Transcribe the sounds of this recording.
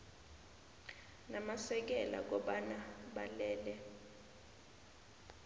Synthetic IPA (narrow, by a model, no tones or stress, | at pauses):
namasɛk̬ɛla̰k̬ɔɓanaɓalɛːlɛ